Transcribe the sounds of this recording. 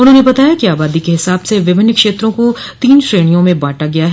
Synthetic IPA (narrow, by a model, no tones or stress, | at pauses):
ʊnɦõːnebɐt̪aːjakiaːbaːd̪ikeɦɪsaːbseʋɪbʱɪnːəkʃeːt̪ɾõkot̪iːnʃɾeːɽ̃ijõmẽbaːʈaɡɐjaɦɛː